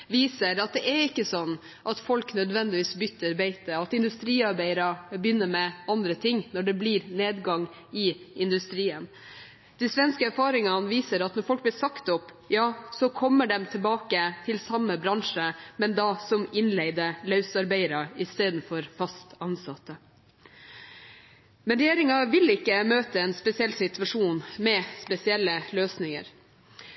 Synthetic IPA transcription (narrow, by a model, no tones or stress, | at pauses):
ʋiːsəɾɑt̪̚d̪ɛʔɛɾɪkːəsɔnː | ʔɑt̪fɔlknœd̪ʋɛnd̪ɪʋiːsbʏt̪ːəɾbæɪt̪əɑt̪ɪnd̪ʉst̪ɾiːɑɾbæɪəɾɑbjʏnːəɾmɛɑnd̪ɾət̪ʰɪŋnɔɖɛblɪɾneːd̪ɡɑŋ | ɪɪnd̪ʉst̪ɾiːən | d̪̥ɪsʋɛnskəæɾfɑːɾɪŋɑnʋiːsəɾɑt̪nɔɾfɔlk̚b̪ɪɾsɑkt̪ɔp | jɑːsɔkʰɔmːəɖɛmt̪ʰɪlbɑːkət̪ʰɪlsɑmːəbɾɑŋʂəmɛnd̪ɑsɔmɪnleɪd̪əlɑʉsɑɾbæɪɾɑɪst̪eːd̪n̩fɔɾfɑst̪ɑnsɑt̪ːə | mɛnɾɛjeːɾɪŋɑʋɪlɪkːəmøːt̪əɛnspɛsɪɛlːsɪt̪ʉʋɑʂuːnmɛspɛsɪɛlːəløːsnɪŋə̰ɾ